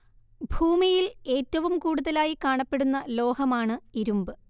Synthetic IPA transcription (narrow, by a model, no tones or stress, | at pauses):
bʱuːmijile̞ːtːɐʋumkuːɽuðɐlaːjikaːɳɐpːe̞ɽunːɐlo̞ːɦɐmaːɳɨiɾumbɨ